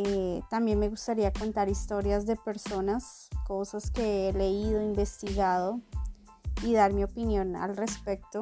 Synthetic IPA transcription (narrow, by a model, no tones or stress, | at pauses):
et̪ambje̞nme̞ɣust̪aɾiako̞nt̪aɾist̪o̞ɾjazd̪e̞pe̞ɾso̞nas | ko̞saske̞ele̞iðo̞imbe̞st̪iɣaðo | iðaɾmio̞pinjo̞na̰lre̞spe̞k̚t̪o